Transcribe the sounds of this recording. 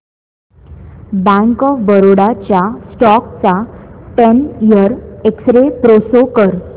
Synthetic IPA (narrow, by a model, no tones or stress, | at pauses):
bãŋkɔfbəɾoɽat͡ɕjasʈɔkt͡saʈenijəɾeksɾepɾosokəɾ